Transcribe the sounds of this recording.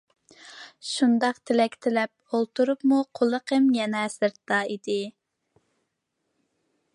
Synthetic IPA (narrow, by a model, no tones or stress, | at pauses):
ʃund̪ɑqt̪ʰɪlɛkʲt̪ʰɪlɛp̚ | olˠt̪uɾupmuqʰolˠəqʰəmjɛnɛsɨɾt̪ːɑid̪ɪ